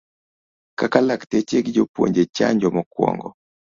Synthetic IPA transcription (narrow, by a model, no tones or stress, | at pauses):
kakalaktet͡ʃeɡid͡ʒopwo̰ɲd͡ʒet͡ʃa̰ɲd͡ʒɔmɔkwɔ̰ŋɡɔ